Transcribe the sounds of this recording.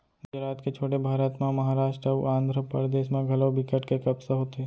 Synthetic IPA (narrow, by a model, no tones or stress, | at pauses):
ɡʊd͡ʒɾaːt̪ket͡ʃʰoːʈebʱaːɾəːt̪mẽmɐɦaːɾaːʃʈɾəʋãːnd̪ʱɾəpə̰ɾd̪eːʃmẽɡʱɐlobɪkəʈkekɐbsəɦoːt̪e